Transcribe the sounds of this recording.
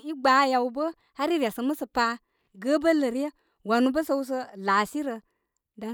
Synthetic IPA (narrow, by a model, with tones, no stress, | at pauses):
i˦ɡ͡ba˨˦ja˨wbə˦ | ha˦ɾi˦ɾa˨sə˧mə˦sə˨pa˧ | ɡə˦bə˦lə˨ɾe˦ | wa˨nu˧bə˦sə˧˦wu˦s̬ə˧la˨si˦ɾə˧ | da˨˦